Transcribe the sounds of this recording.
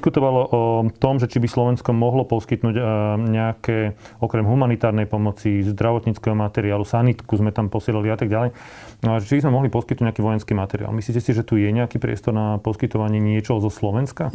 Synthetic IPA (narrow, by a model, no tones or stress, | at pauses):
skut̪ɔʋalɔʔɔt̪ɔmʒɛt͡ʃibislɔʋɛnskɔmɔɦlɔpɔskit̪nuːɟɲɛakɛ | ɔkɾɛmɦumanit̪aːɾnɛjpɔmɔt͡sizd̪ɾaʋɔt̪ɲit͡skɛɦɔmat̪ɛɾiaːlusanit̪kuzmɛt̪ampɔsɪɛlaliat̪aɡ̚ɟalɛj | ʒɛt͡ʃibizmɛmɔɦlipɔskit̪nuɟɲɛakiːʋɔjɛnskiːmat̪ɛɾḭa̰ːlmislicɛsiʒɛt̪ujɛɲɛakiːpɾɪɛ̰st̪ɔɾnapɔskit̪ɔʋaɲɪɛɲɪɛt͡ʃɔɦɔzɔslɔʋɛnska